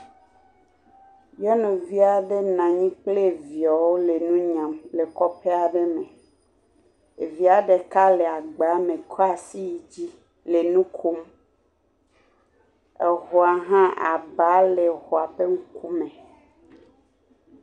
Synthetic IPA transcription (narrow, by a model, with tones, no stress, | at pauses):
jɛ˦nũ˨vi˦a˨de˦nã˨ɲĩ˦k͡ple˦˨vi˨ɔ˨wo˦le˨nũ˦ɲã˨mle˨kɔ˦pe˦a˨ɖe˦mẽ˨ | e˨vi˦a˨ɖe˨ka˦le˨a˨ɡ͡ba˨˦mẽ˨kʰɔ˦a˨si˦ji˨d͡ʑi˦ | le˨nũ˦kʰo˦m | e˨ɦɔ˨a˨ɦã˦ʔa̰˨ba˦le˨xo˨a˨ɸe˦ŋu˦ku˦mẽ˨